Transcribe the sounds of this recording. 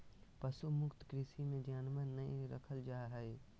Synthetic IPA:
pɐsumʊkt̪kɾɪsimẽd͡ʒaːnmanɐĩɾə̰kʰəld͡ʒaːɦɛe

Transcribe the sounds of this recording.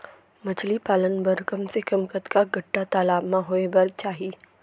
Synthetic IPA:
mɐt͡ʃʰlipaːlənbɐɾkɐmsekɐmkət̪kaɡʱɐʈːat̪aːlaːbmãɦoːebɐɾt͡ʃaːɦiː

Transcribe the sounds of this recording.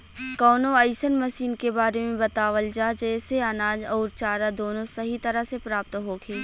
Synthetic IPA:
kɔːnõɐɪsənmɐsiːnkebaːɾemẽbɐt̪aːʋəld͡ʒaːd͡ʒɛːseɐnaːd͡ʒɔːɾt͡ʃaːɾad̪oːnõsɐɦit̪ɐɾəsepɾaːp̚t̪ɦoːɡʰeː

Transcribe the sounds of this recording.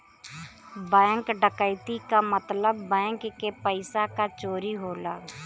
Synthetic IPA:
bɛ̃ːŋkɖəkəɪt̪ikamət̪ləbːɛ̃ːŋkːepəɪsakat͡ʃoːɾiɦoːlaː

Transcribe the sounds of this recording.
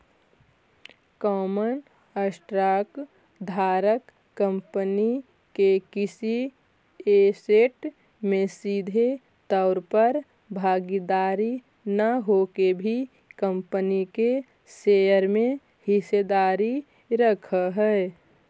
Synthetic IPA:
kɔːmən | əsʈɾaːk | d̪ʱaːɾəkː | ə̃mpəni | kekɪsi | eseʈ | mẽsiːd̪ʱe | t̪ɔʊɾpəɾ | bʱaːɡid̪aːɾi | nəɦoːkebʱi | kəmpənike | seəɾmẽ | hɪsed̪aːɾi | ɾəkʰəɦɛ

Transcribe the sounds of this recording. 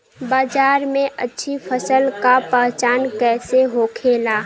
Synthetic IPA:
baːd͡ʒaːɾmẽʔətːʃʰipʰəsəlkapəɦt͡ʃaːnkɛːseɦoːkʰeːlaː

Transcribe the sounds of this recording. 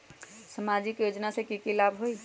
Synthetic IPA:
səmad͡ʒɪkjoːd͡ʒnasekikilaːbɦoi

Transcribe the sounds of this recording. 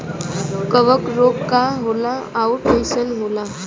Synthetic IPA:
kəʋəkɾoɡkaɦolaauʈẽnsənɦola

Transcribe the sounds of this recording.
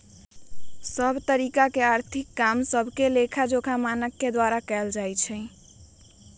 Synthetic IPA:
səbʱt̪əɾikakeaɾt̪ʰikːamsəbʱkelekʰad͡ʒokʰamanəkːed̪waɾakɛld͡ʒajt͡ʃʰɛ̃

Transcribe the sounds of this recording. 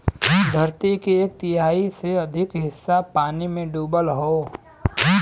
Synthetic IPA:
d̪ʱɐɾt̪ikieːk̚t̪ɪɦaːiseɐd̪ʱɪkɦɪsːapaːnimẽɖuːbəlɦoː

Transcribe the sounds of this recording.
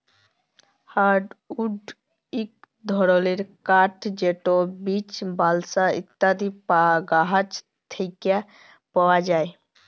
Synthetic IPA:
haɾɖuɖ | ik̚ | d̪ʱɔɾoleɾkaʈd͡ʒeʈobit͡ʃbalsaḭt̪ːad̪ipaɡaɦət͡ʃ | t̪ʰəɪkja | pəwad͡ʒaj

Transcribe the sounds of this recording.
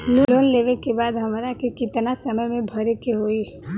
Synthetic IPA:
loloːnleːʋekebaːd̪ɦɐmɾakekɪt̪nasəməjmẽbʱəɾekeɦoːi

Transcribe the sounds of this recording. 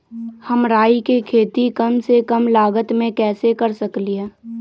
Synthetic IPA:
həmɾaːikekʰeːt̪ikɐmsekɐmlaːɡət̪mẽkɛːsekɐɾsəkliẽː

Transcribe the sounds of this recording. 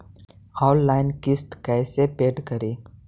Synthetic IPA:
ɔːʊlːaːɪnkɪst̪kɛːsepeːʈkɐɾiː

